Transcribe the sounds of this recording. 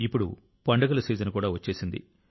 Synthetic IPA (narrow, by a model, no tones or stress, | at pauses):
ipːuɽu | pɐɳɖɐɡɐlɐsiːd͡ʒɐnɐkuːɽaːʋɐt͡ʃːe̞ːsind̪ḭ